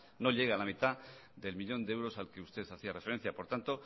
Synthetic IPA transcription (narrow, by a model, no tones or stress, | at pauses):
no̞ʎe̞ɣ̞alamit̪a | ðe̞lmiʎo̞nd̪eewɾo̞salke̞ust̪e̞θaθiarefe̞ɾe̞nθjapo̞ɾt̪ant̪o̞